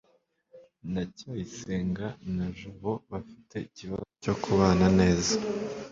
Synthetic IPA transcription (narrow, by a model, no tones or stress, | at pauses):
nacojiseːŋɡanaʒuβoβafi̥te̞iciβa̰zoco̞kʰuβaːnane̞ːza